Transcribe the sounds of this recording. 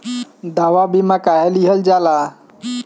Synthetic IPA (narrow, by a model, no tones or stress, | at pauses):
d̪aʋabimakaɦeliɦəld͡ʒala